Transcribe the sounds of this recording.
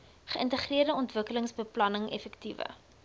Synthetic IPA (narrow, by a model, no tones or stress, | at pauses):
χəʔəntəχriərdəɔntvəkələŋsbəplɐnəŋɛfɛktivə̰